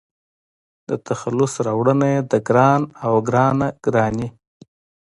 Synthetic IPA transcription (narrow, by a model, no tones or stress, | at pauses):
d̪ət̪ʰaxalʊsɾɑwɽənajed̪əɡɾɑnawɡɾɑnaɡ̥ɾɑni